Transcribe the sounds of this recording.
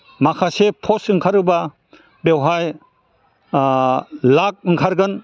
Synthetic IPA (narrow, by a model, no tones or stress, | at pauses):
makʰasepʰɔsɯŋkʰaɾɯba | bewɦaj | lak̚ɯŋkʰaɾɡɯn